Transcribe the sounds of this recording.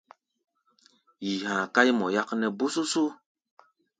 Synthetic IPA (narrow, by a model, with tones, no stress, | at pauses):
ji˨hãː˨ka˦jmɔ˨ja˦knɛ˨bu˦su˦su˦